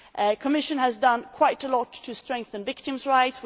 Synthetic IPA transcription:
ʔkʰəmɪʃɨ̃nɨzdʌ̃nkʰw̥aɪɾəlɔtʰɨstɹ̥ɛ̃ŋk̚θə̃nvɪk̚tɨ̃mzɹaɪts

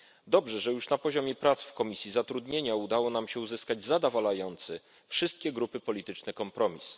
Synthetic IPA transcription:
d̪ɔbʐɛʐɛjuʂnapɔʑɔmʲɛpɾat̪sfkɔmʲisʲjizat̪ɾud̪ɲeɲaud̪awɔnamɕɛuzɘskad͡ʑzad̪avalajɔnt̪sɛ | fʂɘst̪̚kʲɛɡɾupɘpɔlʲit̪ɘt͡ʂnɛkɔmpɾɔmʲis

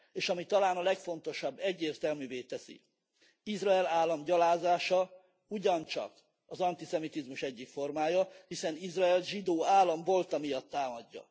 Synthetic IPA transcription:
eːʃɒmit̪ɒlaːnɒlɛkfo̞nt̪o̞ʃɒbːɛɟːeːrt̪ɛlmyːveːt̪ɛsḭ | izrɒɛlaːlːɒmɟɒlaːzaːʃɒ | uɟɒnt͡ʃɒ̰k | ɒzɒnt̪isɛmit̪izmuʃɛɟːikfo̞rmaːjɒhisɛnizrɒɛlʒid̪oːaːlːɒɱvo̞lt̪ɒmijɒt̪ːaːmɒɟːɒ̰

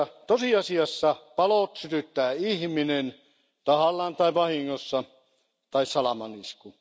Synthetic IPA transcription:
t̪osiɑsiɑsːɑpɑlot̪syt̪yt̪ːæːihminen | t̪ɑhɑlːɑːnt̪ɑiʋɑhiŋːosːɑ | t̪ɑissɑlɑmɑnisku

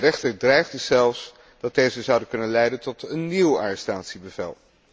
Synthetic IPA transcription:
rɛχtəɹdrɛjχdəzɛlˠfs | d̥ɑtd̥ejzəzʌwdəkɵnənlɛjdəntɔtənːiwa̰ːɹɛstaːtsibəvɛ̰lˠ

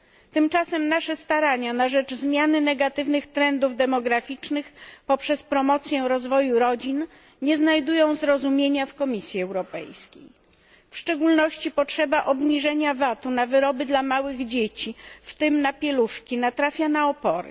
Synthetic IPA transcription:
t̪ɘmt͡ʂasɛmnaʂɛst̪aɾaɲanaʐɛd͡ʐzmʲjanɘnɛɡat̪ɘvnɘxt̪ɾɛnd̪uvd̪ɛmɔɡɾafʲit͡ʂnɘxpɔpʂɛspɾɔmɔt̪sʲjɛɾɔzvɔjuɾɔd͡ʑin | ɲɛznajd̪ujɔ̃w̃zɾɔzumʲjeɲafkɔmʲisʲjiɛwɾɔpɛ̰jskʲḛj | fʂt͡ʂɛɡulnɔɕt͡ɕipɔtʂɛbaʔɔbɲiʐɛɲavat̪unavɘɾɔbɘd̪lamawɘɣd͡ʑet͡ɕift̪ɘmnapʲjɛluʂkʲinat̪ɾafʲjanaɔpɔɾɘ̰

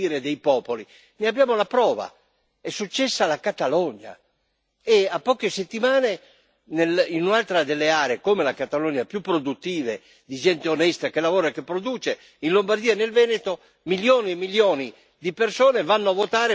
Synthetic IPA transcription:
iɾed̪ejpɔːpoli | neabjaːmolapɾɔːva̰ | ɛsːut͡ʃːɛsːalakat̪alɔɲːa̰ | eapːɔːkeset̪ːimaːne | nelinunalt̪ɾad̪elːeaːɾeːkomelakat̪alɔɲapjupːɾod̪ut̪ːiːve | d̪id͡ʒɛnt̪eonɛst̪akelavɔːɾakepːɾod̪uːt͡ʃe | inlombard̪iːaɛnelvɛːnet̪o | miljoːniɛmːiljoːni | d̪ipersɔːnevanːoavot̪aːɾe

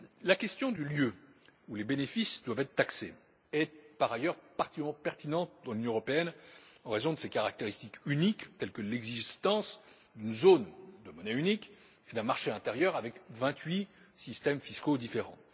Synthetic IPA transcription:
lakʲɛst̪jɔ̃d̪yljøulebenefisd̪wavɛt̪χət̪aksḛ | ɛpaʁajœʁpaʁt̪ikɛmɑ̃pɛʁt̪inɑ̃t̪d̪ɑ̃lynjɔ̃əʁɔpeɛnɑ̃ʁezɔ̃d̪əsekaʁak̚t̪eʁist̪ikynikt̪ɛlkəlɛɡzist̪ɑ̃s | d̪ynzond̪əmɔnɛynik | ed̪ɛ̃maʁʃeɛ̃t̪eʁjœʁavɛkvɛ̃t̪ɥi | sist̪ɛmfiskod̪ifeʁɑ̰̃

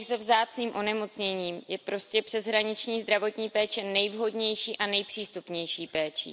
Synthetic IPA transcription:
zɛvzaːt͡sniːmʔo̞nɛmo̞t͡sɲɛɲiːmjɛpɾo̞scɛpr̥ɛzɦɾaɲɪt͡ʃɲiːzd̪ɾavo̞t̪ɲiːpɛːt͡ʃɛnɛjvɦo̞dɲɛjʃiːʔanɛjpr̝̥iːst̪upɲɛjʃiːpɛːt͡ʃḭ

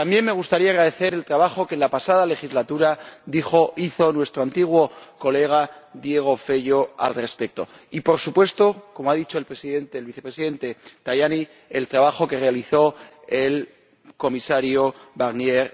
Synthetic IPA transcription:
t̪ambje̞mme̞ɣ̞ust̪aɾiaɣɾaðe̞θe̞ɾe̞lt̪ɾaβaxo̞ke̞nlapasaðale̞xizlat̪uɾaðixoiθo̞nwe̞st̪ɾoant̪iɣ̞wo̞ko̞le̞ɣ̞aðje̞ɣ̞o̞fe̞ʝo̞a̰lre̞spe̞k̚t̪o̞̰ | ipo̞ɾsupwe̞st̪o̞ko̞moaðit͡ʃo̞e̞lpɾe̞siðe̞nt̪elβiθe̞pɾe̞siðe̞nt̪e̞t̪ajani | elt̪ɾaβaxo̞ke̞re̞aliθo̞ | e̞l | ko̞misaɾjoβaɣnje̞ɾ

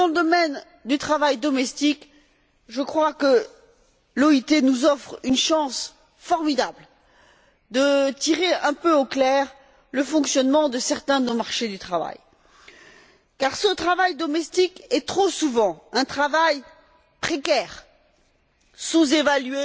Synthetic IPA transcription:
d̪ɑ̃ləd̪ɔmɛn | d̪yt̪χavajd̪ɔmɛst̪ik | ʒəkχwakə | lɔit̪enuzɔfχynʃɑ̃s | fɔʁmid̪abl | d̪ət̪iʁeɛ̃pøoklɛʁ | ləfɔ̃ksjɔnmɑ̃d̪əsɛʁt̪ɛ̃d̪ənomaʁʃed̪yt̪χava̰j | kaʁsət̪χavajd̪ɔmɛst̪ikɛt̪χosuvɑ̃ɛ̃t̪χavaj | pχekʲɛʁ | suzevalye

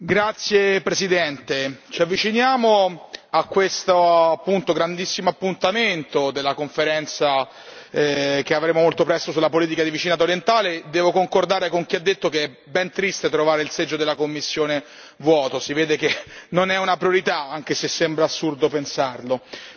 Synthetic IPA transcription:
ɡɾat̪sːjepɾesid̪ɛnt̪et͡ʃiavːit͡ʃinjaːmoakːwest̪oapːunt̪oɡɾand̪isːimoapːunt̪ament̪od̪elːakoɱfeɾɛnt̪sa | k̟eavɾeːmomolt̪opɾɛst̪osulapoliːt̪̬ikad̪ivit͡ʃinaːt̪aoɾjent̪aːled̪ɛːvokoŋkord̪aːɾekoŋk̟iad̪ːet̪ːokeɛ | bɛnt̪ɾist̪et̪ɾovaːɾeilsed͡ʒːod̪elːakomːisːjoːne | vwɔːt̪osiveːd̪ek̟enonɛunapɾjoɾit̪aaŋk̟esesːembɾaːsːurd̪opensarlo

